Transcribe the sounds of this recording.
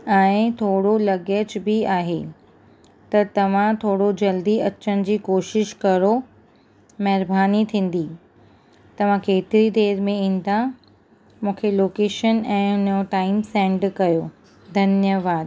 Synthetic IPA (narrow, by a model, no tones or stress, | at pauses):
ɛ̃ːɪ̃t̪ʰoːɽolɐɡed͡ʑbɪaːɦe | t̪ɐt̪ɐʋ̤ãt̪ʰoːɽod͡ʑɐld̪iɐt͡ɕənɪ̆d͡ʑiːkoːʃɪʃkɐɾo | mɐɦɾbʱaːnit̪ʰĩːn̆d̪i | t̪ɐʋ̤ãkeːt̪ɪɾid̪eːɾmẽɪ̃ːn̆d̪ã | mũːkʰeloːkeːʃənɛ̃ːʊnjoʈaːɪmsɛ̃ːɳɖkɐjoː | d̪ʱɐnjəʋaːd̪